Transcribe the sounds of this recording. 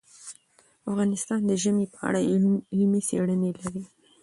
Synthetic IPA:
afɣɑnɪst̪ɑnd̪əʒəmepəa̰ɽalmeseɽənelaɾi

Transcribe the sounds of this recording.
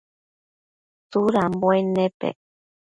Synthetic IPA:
t͡suɾamboenepḛ

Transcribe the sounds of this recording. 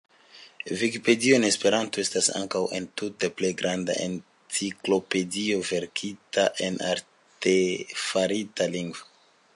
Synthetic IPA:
vikipe̞dioenespe̞ɾanto̞e̞stasa̰ŋkawe̞̰ntute̞ple̞jɡɾʔanda̰ʔḛn | t͡siklo̞pe̞dio̞ve̞ɾkʰitaʔe̞na̰ɾ | tefaɾitaliŋɡvo

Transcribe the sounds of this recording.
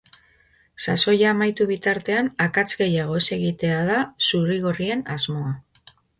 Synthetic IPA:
saso̞jaːmajt̪uβit̪aɾt̪e̞anakat͡sɣe̞jaɣ̞o̞ese̞ɣit̪e̞að̞asuɾiɣo̞rie̞nazmo̞a

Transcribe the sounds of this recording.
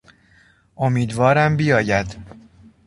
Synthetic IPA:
ʔomiːd̪vɒːɾæmbijɒːjæd̪̥

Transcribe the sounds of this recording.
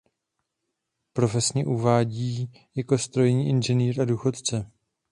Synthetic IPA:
pɾo̞fɛsɲɛʔuvaːɟiː | jako̞st̪ɾo̞jɲiːʔɪnʒɛniːɾaduːxo̞t̪t͡sɛ

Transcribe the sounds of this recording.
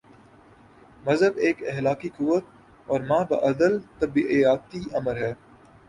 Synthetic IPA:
mɐzɦəbeːkɛɦlaːkikuʋət̪̚ | ɔːɾmãːbɐ̰ʔɐd̪əlt̪ɐbiʔijaːt̪iɐməɾɦɛː

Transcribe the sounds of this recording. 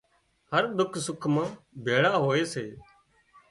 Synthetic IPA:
həɾd̪ʊkʰsʊkʰmãː | bʱeːɽaːɦoːeːseː

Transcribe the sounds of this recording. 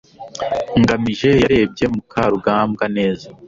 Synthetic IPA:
ŋɡamiʒe̞jaɾe̞ːb̚ɟe̞mukʰaɾuɡaːmɡane̞ːza

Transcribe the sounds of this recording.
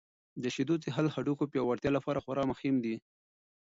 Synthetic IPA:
d̪əʃid̪ut͡seɦalhaɖukopjɑwaɾt̪jɑlapɑɾaxwaɾɑmaximd̪i

